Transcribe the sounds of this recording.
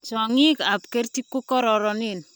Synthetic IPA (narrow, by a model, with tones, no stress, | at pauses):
sɔ˨ŋika˨p̚ke˦rtikːu˦kɔ˦ɾɔɾɔnin